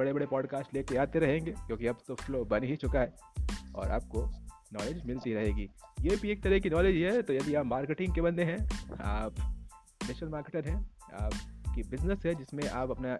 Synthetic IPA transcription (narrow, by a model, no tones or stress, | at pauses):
bɐɽebɐɽepɔːɖkaːsʈleːkeaːt̪eɾɐɦẽːŋɡeːkjõːkiɐbt̪ofloːbɐnɦit͡ʃʊkaɦɛ | ɔ̰ːɾa̰ːp̚ko | nɔːleːd͡ʒmɪlt̪iɾɐɦeːɡiːjeːbʱieːk̚t̪ɐɾəkinɔːleːd͡ʒɦɛt̪ojɐd̪iaːpmaːɾkeʈɪ̃ŋkebɐ̃nd̪eɦɛ̃a̰ːp | neːʃəlmaːɾkeʈəɾɦɛ̃ | a̰ːpkibɪznəsɦɛd͡ʒɪsmẽʔaːpɐpna